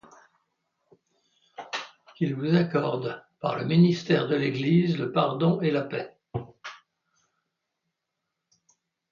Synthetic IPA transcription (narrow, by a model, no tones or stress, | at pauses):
ilvuzakɔʁd̪pa̰ʁləminist̪ɛʁd̪əleɡlizləpaʁd̪ɔ̃elapɛ